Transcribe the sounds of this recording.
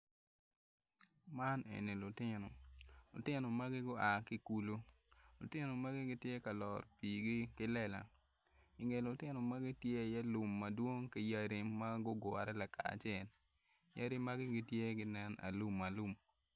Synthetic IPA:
ma˦nḛ˨ni˨lʊ˨tɪ˦no˨lʊ̰˨tɪ˦nɔ˨ma˦ɡɪ˦ɡʊ˦a˨kɪ˦ku˦lo˦ | lʊ̰˨tɪ˦no˨ma˦ɡɪ˦ɡɪ˦tje˦ka˨lɔ˨ɾpiː˨ɡi˦kɪ˦lɛ˦la̰˨ | ɪ˨ŋe˨lʊ˨tɪ˦no˨ma˦ɡɪ˦tje˦˨jɛ˦lʊ˨mːɐ˨dwo˦ŋkɪ˦ja˦ɾi˦ma˦ɡʊ˦ɡʊ˨a˨ɾɛ˦la˨kʰa̰˨t͡ʃɛ˨l | ja˦ɾi˦ma˦ɡɪ˦ɡɪ˦tje˦ɡɪ˦nɛ˦na̰˨lu˦mːɐ˨lu˦m

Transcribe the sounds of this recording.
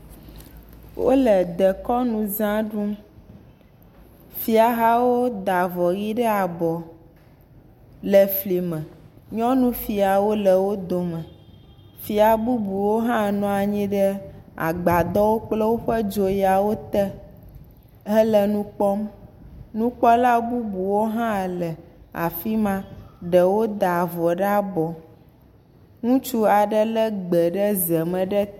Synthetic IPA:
wʔo̰˦lɛ˨d̪ɛ˨kɔ˦nũ˨zã˦ɖũ˦ | fi˦a˨ɦa˦wo˦d̪a˨vɔ˨ɣi˦ɖɛ˦a˨bɔ˨ | lɛ˨fli˨mɛ̃˨ɲɔ̃˦nũ˦fi˨a˨wo˦lɛ˨wo˦d̪o˨mɛ̃˨ | fi˨a˨bu˦bu˨wo˦ɦã˦nɔ̃˨a˨ɲĩ˦ɖɛ˦a̰˨ɡ͡ba˨d̪ɔ˦wo˦k͡plə˦wo˦ɸə˦d͡ʒo˨ja˨wo˦t̪ɛ˦ | ɛ˦lə˨nũ˦k͡pɔ˦m | nũ˦k͡pɔ˦la˦bu˦bu˨wo˦ɦã˦˨lɛ˨a̰˨fi˦mã˦ɖə˨wo˦d̪a˨vɔ˨ɖa˦bɔ˨ | ŋũ˦t͡ʃu˦a˨ɖə˦lə˦ɡ͡bɛ˨ɖə˦zɛ˨mɛ̃˨ɖɛ˦

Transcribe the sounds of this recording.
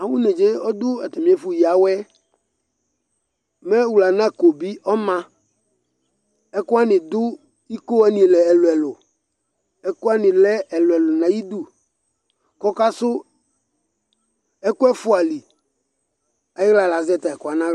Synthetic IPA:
a˨wʊ˦ne˨d͡ʒe˦ɔ˦d̪ʊ˦ɛ̰˨t̪ɛ˨mĩ˨˦e˦fu˨ji˨a˨wɛ˦ | mɛ˦wu˨la˨nã˦˨ko˨bi˦ɔ˦mã˦ | ɛ˦kʊ˦a˦nɪ̃˨d̪ʊ˦ | i˦ko˦a˦nĩ˨lɛ˨ɛ˨lʊ˨ɛ˨lʊ˨ | ɛ˦kʊ˦a˦nɪ̃˨lɛ˦ɛ˨lʊ˨ɛ˨lʊ˨nã˨ji˦d̪u˦ | kɔ˦ka˦sʊ˦ | ɛ˦kʊ˦ɛ˦fʊ˦a˨li˨ | a˦jɪ˦ɣla˨la˨zɛ˦t̪a˨ɛ˨kʊ˨˦a˨nã˦

